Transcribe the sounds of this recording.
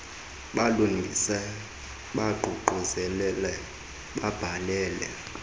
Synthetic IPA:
ɓalunʱisɛ | ɓaɡ͡ǃʱuǃʱɔzɛlɛlɛ | ɓab̥ʱalɛːlɛ̰

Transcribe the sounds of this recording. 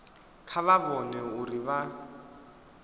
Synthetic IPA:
kʰaβabɔnɛʊriβa

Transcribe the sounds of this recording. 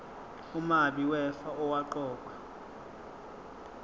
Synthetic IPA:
umaɓiwɛfaɔwaǃɔːk̬ʼwa

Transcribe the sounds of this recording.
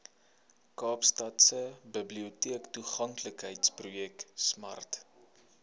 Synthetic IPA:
kɑːpstɐtsəbəbliutiəktuχɐŋkləkɦəjtsprujɛksmɐ̰rt

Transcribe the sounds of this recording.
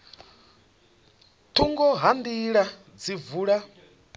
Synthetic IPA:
tʰuŋɡɔɦandiɺa | d͡zivuɺa

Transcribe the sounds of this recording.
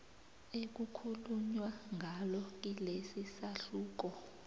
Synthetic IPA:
ek̬ukʰuluɲwaŋʱalɔk̬ilesisaɬuːk̬ɔ

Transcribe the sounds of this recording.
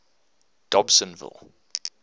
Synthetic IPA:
d̥ɔbsə̃nvɪ̰lˠ

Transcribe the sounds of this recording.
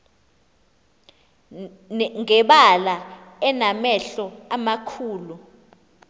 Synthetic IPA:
ŋɛɓala | ɛnamɛɬɔamakʰuːlu

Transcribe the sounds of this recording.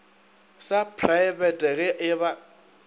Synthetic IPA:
sapʰraɪbɛtʼɛɣɛʔɪβa

